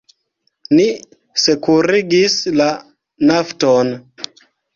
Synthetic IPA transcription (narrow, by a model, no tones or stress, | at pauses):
ni | sekuɾiɡisla | nafton